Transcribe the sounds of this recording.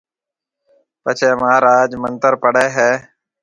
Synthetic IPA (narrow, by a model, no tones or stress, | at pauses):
pət͡ʃʰeːmaːɾaːd͡ʒmənt̪əɾpəɽeːɦɛː